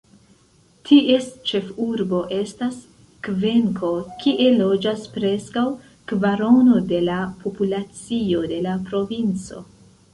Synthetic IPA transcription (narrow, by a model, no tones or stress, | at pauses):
tʰiʔe̞st͡ʃe̞fuɾbo̞ʔe̞stas | kve̞ŋkʰo̞kʰiʔe̞lo̞d͡ʒaspɾe̞skaw | kvaɾo̞no̞de̞lapʰopulat͡sio̞de̞lapɾo̞vint͡so̞̰